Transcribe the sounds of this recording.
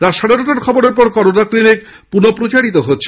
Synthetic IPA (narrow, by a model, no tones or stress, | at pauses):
t̪aɾʃaɽeɾoʈaɾkʰɔboɾeɾp̬ɔɾkɔɾonakɾinek̚ | punopɾot͡ɕaɽit̪oɦotːʰe̥